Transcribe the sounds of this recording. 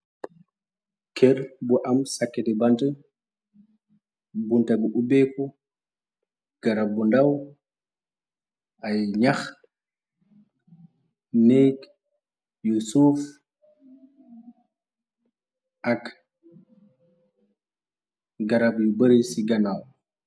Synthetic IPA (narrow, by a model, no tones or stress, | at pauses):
kʰɛɾbɔʔamsakːɛdɛbantɛ | buntaɡuʔubɛkɔ | ɡ̥aɾabːɔndaw | ʔajɲax | nejk | jusuf | ʔak | ɡaɾabjubəɾisiɡanaw